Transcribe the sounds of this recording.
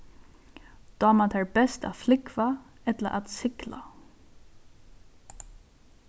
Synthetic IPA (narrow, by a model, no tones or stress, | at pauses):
d̪̥aːmat̪ʰɛːɹbɛst̪a̰t̪flɪkva | ɛt̪la̰ʔat̪sɪkla̰